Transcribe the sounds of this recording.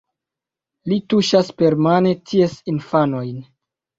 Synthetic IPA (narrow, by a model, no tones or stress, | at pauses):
lituʃaspe̞ɾmane̞tʰiesinfano̞jn